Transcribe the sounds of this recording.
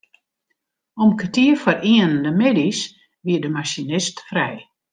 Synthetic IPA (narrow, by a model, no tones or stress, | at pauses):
ɔmkətiəfɔriənəndəmedis | ʋiədəmaʃinɪstfrɛj